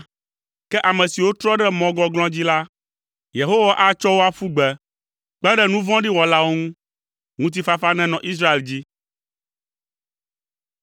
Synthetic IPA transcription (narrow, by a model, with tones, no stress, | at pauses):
kɛ˦ʔa˨mɛ̃˨si˨wo˦t̪ɾɔ˦ɖɛ˦mɔ̃˨ɡɔ̃˦ɡlɔ̃˦d͡ʑi˦la˦ | je˨ɦo˦wa˦ʔa˨t͡ʃɔ˦wo˦a˦fu˦ɡ͡bɛ˨ | k͡pɛ˦ɖɛ˦nũ˦vɔ̃˦ɖi˦wɔ˨la˦wo˦ŋũ˦ | ŋũ˦t̪̬i˦fa˦fa˦nɛ̃˦nɔ̃˨ʔi˦s̬ɾa˦e˨ld͡ʑi˦